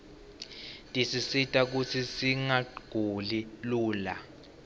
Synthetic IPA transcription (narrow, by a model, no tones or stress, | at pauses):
tʼisisitʼak̬ut͡sʰisiŋaɡ̥ʱuliluːla